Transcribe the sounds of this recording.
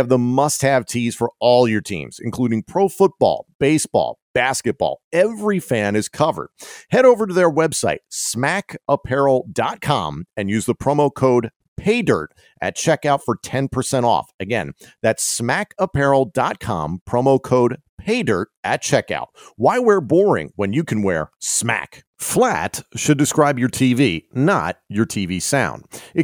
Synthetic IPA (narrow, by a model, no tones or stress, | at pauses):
ɨvðəmʌst̚hɨv̥tʰiz̥fə˞ɔlˠjə˞tʰḭ̃mz̥ɨ̰̃nkʰl̥uɾɪ̃ŋpʰɹ̥oʊfʊt̚b̥ɔ̰lˠb̥eɪsb̥ɔ̰lˠb̥æskɨt̚b̥ɔ̰lˠɛvɹifæ̃nɨz̥kʰʌvə̰˞d̥̚hɛɾoʊvə˞ɾɨðə˞wɛbsaɪt̚smækəpʰɛɹl̩ˠdɑt̚kʰɑ̰̃mɨ̃njʉzðəpʰɹ̥oʊmoʊkʰoʊd̚ | pʰeɪdɜ̰˞ɾ | ʔɨ̰t̚t͡ʃʰɛkaʊtfə˞tʰɛ̃npʰə˞sɛ̃ɾ̃ɔ̰fɨɡɛ̰̃nðætsmækəpʰɛɹl̩ˠdɑt̚kʰɑ̰̃mpʰɹ̥õʊ̃moʊkʰoʊd̚ | pʰeɪdɜ̰˞ɾʔɨt̚t͡ʃʰɛka̰ʊt̚waɪwɛɹbɔɹɪ̰̃ŋwə̃njɨkʰɨ̃nwɛɹsmæ̰k | flæ̰tʃɨdɨskɹaɪbjə˞tʰivinə̰t̚ə˞tʰivisãʊ̃nd̥ɨ